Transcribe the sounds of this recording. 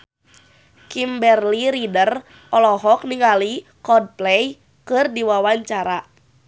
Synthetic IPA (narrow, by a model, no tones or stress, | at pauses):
kimbɛrliɾidər | ɔlɔɦɔk̚niŋalikɔd̚plɛj | kɨrdiwawaɲt͡ʃaɾa